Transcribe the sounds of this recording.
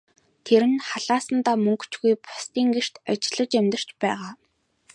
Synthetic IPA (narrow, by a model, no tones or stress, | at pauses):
t̪ʰeɾɘ̆nχaɮaːsə̆nt̪aːmɵŋkʰt͡ɕɡujpʊ̥st̪iːŋɡer̥t̪at͡ɕɪ̆ɮə̆t͡ɕemt̪ə̆r̥t͡ɕpæːʁaː